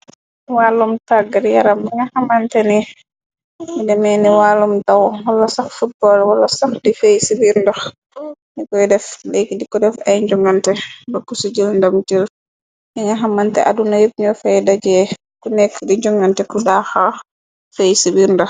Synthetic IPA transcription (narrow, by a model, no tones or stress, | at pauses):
walːumtaɡaɾjaɾamiŋahamantɛni | idɛmɛniwalumtawwalːasaxfut̚bɔlwalːasaxdifejsibiɾndax | nikɔjdɛflekːidikɔdɛfajɲd͡ʒɔŋɡantɛbakːusud͡ʒilndamtil | iŋaɦamːantɛ̰ʔadunajib̚ɲɔfɛjdad͡ʒɛ | kunɛkːdiɲd͡ʒɔŋɡantɛkudaxa | fejsibiɾndax